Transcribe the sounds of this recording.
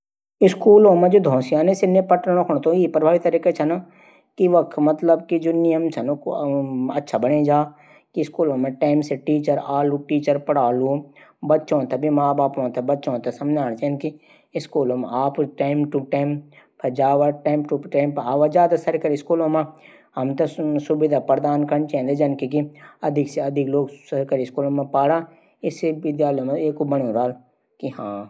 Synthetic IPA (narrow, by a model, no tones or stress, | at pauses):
ɪskuːlõːmẽd͡ʒoːd̪ʱõːsijaːnesɪnepɐʈːkʰɽ̃õt̪õipɾɐbʱaːʋit̪ɐɾiːket͡ʃʰɐna | kiʋɐkt̪ʰmɐt̪ləbkid͡ʒoːnɪjəmt͡ʃʰɐnokɐtːʃʰabɐɽed͡ʒaː | kiskuːlõːmẽʈaːɪmseʈiːt͡ʃəɾaːlũʈiːt͡ʃəɾpɐɽaːlũbɐtːʃõːt̪ʰebʱimaːbaːpõːt̪ʰebɐtːʃõːt̪ʰɛsɐmd͡ʒaːñt͡ʃenki | ɪskuːlõmḛ̃aːpʈaːɪmʈuʈaːɪm | pʰɐd͡ʒaːʋaʈaːɪmʈuʈaːɪmpaːʋad͡ʒaːd̪asɐɾkəɾiskuːlõːmẽ | hɐmt̪ɐsʊbɪd̪ʱaːpəɾd̪aːnkəɳt͡ʃẽːnd̪ed͡ʒɐnkikiɐd̪ʱɪkseɐd̪ʱɪkloːɡsɐɾkəɾiskuːlõmẽpaːɽa | ɪsebɪd̪jaːlõmẽeːkobəɽ̃ũɾaːl | kiɦãː